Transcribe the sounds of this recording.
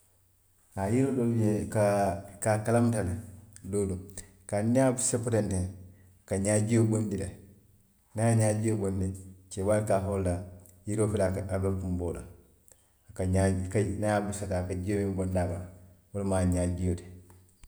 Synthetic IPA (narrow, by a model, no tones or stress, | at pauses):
ajiɾodoluɟekakakalamtaledodu | kaɲabusepotente | kaɲaɟijobondile | najaɲaɟijobondit͡ʃewalkaɦolda | jiɾofilaabokumboːla̰ | kaɲakanajabusadakaɟiowimbondabawolmaɲaɟijote̥